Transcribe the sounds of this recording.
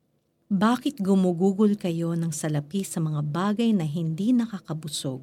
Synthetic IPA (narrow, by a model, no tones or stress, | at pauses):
baːkɪt̪̚ɡʊmuɡuːɡʊlkɐjo̞nɐŋsɐlɐpisɐmɐŋabaːɡɐjnɐɦɪnd̪inɐkakɐbʊso̰ɡ̚